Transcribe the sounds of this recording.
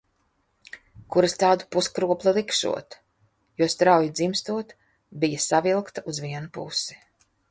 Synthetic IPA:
kuɾast̪aːd̪u̥puskɾuɔplˠilˠikʃṵɔt̪ | juɔst̪ɾawjid̪zimst̪uɔt̪ | bijasavilˠkt̪aʔuzviɛnupusi̥

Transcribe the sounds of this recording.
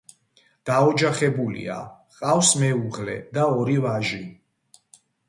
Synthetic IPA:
d̪̥aɔd͡ʒaχɛbulḭa̰ | qʼafsmɛuʁlɛ̰d̪aɔɾivaʒi

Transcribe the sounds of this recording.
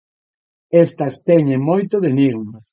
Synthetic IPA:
est̪ɐst̪ɛɲẽŋmojt̪oðeniɣma

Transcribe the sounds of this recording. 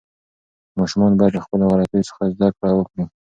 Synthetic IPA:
mɑʃʊmɑnbɑjad̪ləxpəloɣalat̪əjosə̥xazd̪akɽawəkɽi

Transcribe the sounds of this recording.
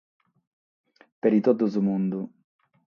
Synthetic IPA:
peɾit̪ɔd̪uzumund̪u

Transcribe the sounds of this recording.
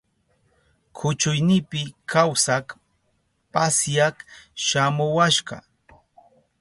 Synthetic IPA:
kʰʊt͡ʃʊjnɪpɪkʰawsak | pasjakʃamʊwaʃɢɑ̰

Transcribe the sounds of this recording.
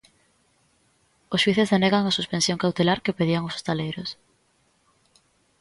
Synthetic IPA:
oswiθezðeneɣaŋasuspẽnsjoŋkawt̪elaɾkepeðiaŋoso̥st̪alejɾʊs

